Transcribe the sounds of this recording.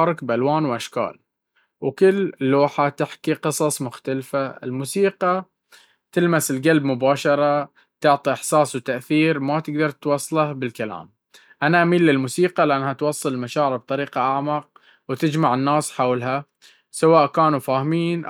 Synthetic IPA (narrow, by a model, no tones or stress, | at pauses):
ɾˤɪkbʔalwaːnwʔaʃka̰ːl | wkɪlːlːoːħat̪ɪħkiqɨsˤɑsˤmʊxt̪alfaɪ̰lmuːsiːqɑ | t̪ɪlmasɪlɡalbmʊbaːʃɑɾˤɑ | t̪ʊʕt̪ˤiʔɪħsaːswt̪aʔθiːɾmat̪ɪɡd̪ɑɾˤt̪wɑsˤːɑlɑhbɪlkala̰ːm | ʔanaʔamiːlːɪlmuːsiːqɑlɪʔanːhat̪wɑsˤːɨllmaʃaːʕɾɪɾb̚t̪ˤɑɾiːqɑʔaʕmɑq̚ | wt̪ɪd͡ʒmaʕɪnːaːsħawlɦa | sawaːʔkaːnufaːhmiːnʔ